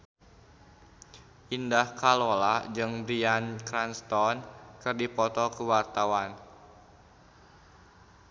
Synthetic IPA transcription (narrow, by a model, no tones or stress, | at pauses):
ʔindahkalolad͡ʒɨŋbɾiankɾanst̪ɔnkɨrdipɔt̪ɔkəwart̪awan